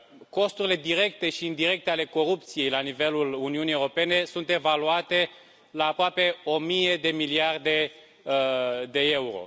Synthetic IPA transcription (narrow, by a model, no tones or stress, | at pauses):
ko̞st̪uɾile̞d̪iɾe̞kt̪e̞ʃiːnd̪iɾe̞k̚t̪eale̞ko̞ɾup̚t̪sije̞jlanive̞luluniunijewɾo̞pe̞ne̞sunt̪e̞valuat̪e̞ | laːpɾoape̞o̞mijed̪e̞miliard̪e̞ | d̪e̞e̞uɾo̰